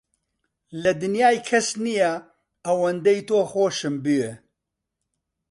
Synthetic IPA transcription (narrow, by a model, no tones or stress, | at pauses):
lɐd̪ɨnjaːjkʰɐsnijɛ | ɐwɐnd̪ejt̪oːxoːʃɨmbɨje